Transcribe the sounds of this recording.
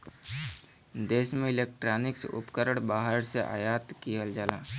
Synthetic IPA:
d̪eːsmẽɪleːk̚ʈɾaːnɪksʊ̰pkəɾəɽ̃baːɦəɽseʔa̰ːjaːt̪kijəld͡ʒaːlaː

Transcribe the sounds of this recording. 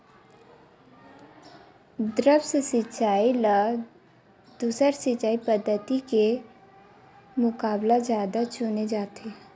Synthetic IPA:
d̪ɾəbssɪt͡ʃaːila | d̪̥uːsəɾsɪt͡ʃaːipəd̪ʱːət̪ike | mʊkaːblazjaːd̪at͡ʃʊned͡ʒaːt̪ʰe

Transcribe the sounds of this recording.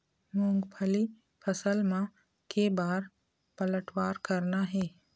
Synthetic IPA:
mʊ̃ːŋɡpʰəli | pʰəsəlmã | kebaːɾ | pɐləʈʰwaːɾkɐɾnaɦɛː

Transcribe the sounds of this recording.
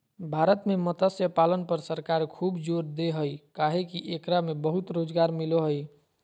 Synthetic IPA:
bʱaɾət̪memət̪əsjəpalənpəɾsəɾkaɾkʰubd͡ʒoɾd̪eɦəjkaɦekiʔekɾamebəɦut̪ɾod͡ʒɡaɾmiloɦəj

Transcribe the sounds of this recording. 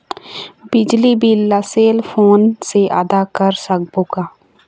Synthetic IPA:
bɪd͡ʒlibʱiləseːlfʰoːnseʔə̰d̪akəɾsək̚boːɡaː

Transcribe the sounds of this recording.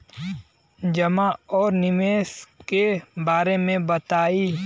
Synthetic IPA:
d͡ʒɐmaɔːɾnɪmeːskebaːɾemẽbɐt̪aːi

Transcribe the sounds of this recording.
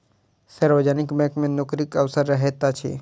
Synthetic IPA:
sɐɾʋəd͡ʒanɪkmekmẽnokɾikɐʋsəɾːɐɦet̪at͡ʃʰḭ

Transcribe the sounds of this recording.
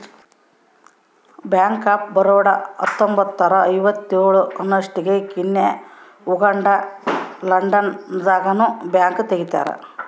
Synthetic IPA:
bjaːŋkːaːp̚bɐɾoːɽɐɐ̰t̪ːombɐt̪ːɐɾɐɐjbɐt̪ːioːɭuɐnːɐʂʈiɣekinːe | uɡɐɳɖɐlɐɳɖɐnd̪aːɡɐnubjaːŋɡɨt̪eɣit̪ːa̰ːɾɨ̰

